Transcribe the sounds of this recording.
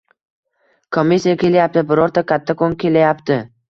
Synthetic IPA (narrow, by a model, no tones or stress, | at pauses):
kʰomːisːijakʲʰe̞lajap̚t̪ɪbɪɾɒɾt̪ʰakʲʰat̪ʰːakʰoŋkʲʰe̞lajapt̪ʰɪ